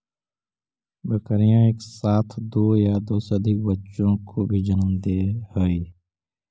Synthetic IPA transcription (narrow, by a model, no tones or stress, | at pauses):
bəkəɾijãːeːksaːt̪ʰd̪oːjaːd̪oːsəd̪ʱɪk̚bətːʃõkoːbʱiːd͡ʒənəmd̪eːhoiː